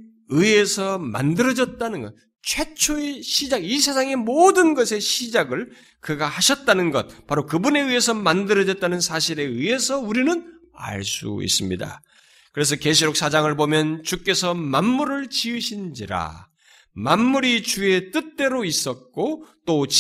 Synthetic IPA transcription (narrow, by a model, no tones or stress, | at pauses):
ɯe̞sʰʌma̰ndɯɾʌd͡ʑʌt̚t͈anɯnɡʌt̚ | t͡ɕʰwe̞t͡ɕʰoe̞ɕʰid͡ʑaɡis̬ʰe̞s̬ʰaŋe̞modɯnɡʌsʰe̞ɕʰid͡ʑaɡɯɭ | kɯɡahaɕʰʌt̚t͈anɯnɡʌt̚paɾokɯbune̞ɯe̞s̬ʰʌmandɯɾʌd͡ʑʌt̚t͈anɯnsʰaɕʰiɾe̞ɯe̞sʰʌuɾinɯn | a̰ɭs͈ṵḭs͈ɯmɲida̰ | kɯɾe̞s̬ʰʌkeɕ̬ʰiɾok̚s͈ʰad͡ʑaŋɯɭbomjʌnt͡ɕuk͈e̞sʰʌmamːuɾɯɭt͡ɕiɯɕʰind͡ʑiɾa̰ | mamːuɾit͡ɕue̞t͈ɯt̚t͈e̞ɾois͈ʌt̚k͈ot͈o